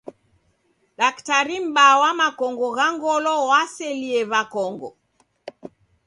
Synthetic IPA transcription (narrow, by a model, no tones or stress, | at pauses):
ɗaktaɾim̩ɓawamakɔŋɡɔɣaŋɡɔlɔwasɛliɛβakɔŋɡɔ̰